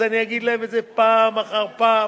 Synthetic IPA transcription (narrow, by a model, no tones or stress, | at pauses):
aniaɡid̪lahemezepaːmaχaʁpaː